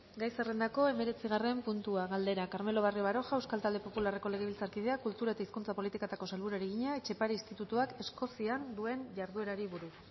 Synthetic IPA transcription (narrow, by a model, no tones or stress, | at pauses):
ɡajsere̞nd̪ako̞e̞me̞ɾe̞t͡siɣ̞are̞mpunt̪uaɣald̪e̞ɾakaɾme̞lo̞β̞arioβaɾo̞ʝaewskalt̪ald̪e̞po̞pulare̞ko̞le̞ɣ̞e̞βilt͡saɾkið̞e̞akult̪uɾaet̪aiskunt͡sapo̞lit̪ikat̪ako̞salβuɾaeɾeɣ̞iɲaet͡ʃe̞paɾeist̪it̪ut̪uake̞sko̞siand̪ue̞nʝaɾðue̞ɾaɾiβuɾus